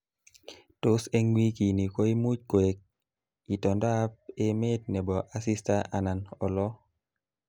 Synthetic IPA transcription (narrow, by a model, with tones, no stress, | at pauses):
to˦se˦ŋwi˦ki˨ni˨ko˦i˦mu˦c̚kwe˨k̚ | i˨tɔ˨nda˦p̚e˦me˦t̚ne˨bɔ˨ʔa˦si˦sta˦ʔa˨na˨nɔ˨lɔ˦